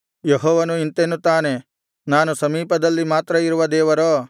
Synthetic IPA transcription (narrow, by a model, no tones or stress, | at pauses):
jeɦɔːʋɐnuint̪enːut̪aːne̞ | naːnusɐmiːpɐd̪ɐlːimaːt̪ɾɐiɾuʋɐd̪ɛːʋɐɾoː